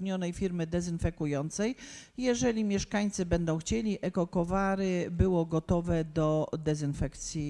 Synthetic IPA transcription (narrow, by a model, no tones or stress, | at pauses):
ɲɔnɛjfʲiɾmɘd̪ɛzɘnfɛkujɔnt̪sɛjjɛʐɛlʲimʲjɛʂkaɲt̪sɘbɛnd̪ɔ̃w̃xt͡ɕelʲiʔɛkɔkɔvaɾɘbɘwɔɡɔt̪ɔvɛd̪ɔd̪ɛzɘnfɛkt̪sʲji